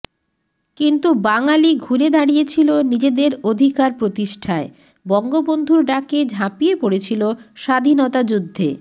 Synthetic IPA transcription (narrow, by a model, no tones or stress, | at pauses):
kint̪ubaŋaliɡʱuɾed̪aɽijet͡ɕʰilonid͡ʑed̪eɾod̪ʱikaɾpɾot̪iʃʈʰae | bɔŋɡobond̪ʱuɾɖaked͡ʑʱapijepoɽet͡ɕʰiloʃad̪ʱinot̪ad͡ʑud̪ʱːḛ